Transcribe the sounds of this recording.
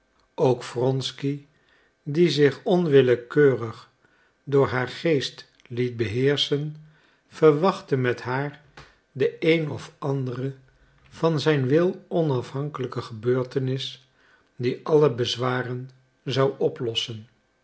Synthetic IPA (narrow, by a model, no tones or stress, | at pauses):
owkfrɔnski | dizɪχɔnʋɪləkøːrəχ | dʊːɹɦaːɹχejst | lit̚bəɦɪːɹsən | v̥əɹʋɑχtəmɛtɦaːɹ | dəejnɔfʔɑndərə | v̥ɑnzɛjnʋɪlˠɔnɑfɦɑŋkələkəχəbøːɹtənɪs | diʔɑləbəzʋaːrən | zɑwɔplɔsən